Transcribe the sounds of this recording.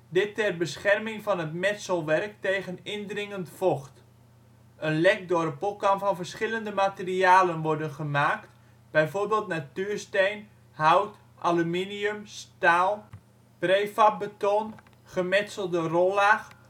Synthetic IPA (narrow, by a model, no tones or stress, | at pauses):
dɪtːɛrbəsχɛrmɪŋfɔnətmɛtsəlˠʋɛrk̚teːɣənɪndrɪŋəntfoxt | ənlɛk̚dʊdəpolˠkɑnfɔnvərsχɪləndəmateriaːlənʋɔɹdənχəmaːkt | b̥ɛjvorbeːlˠtnatyːrstejn | hawt | ʔalyminiømstaːlˠ | preːfap̚bətɔn | χəmɛtsəlˠdərolˠax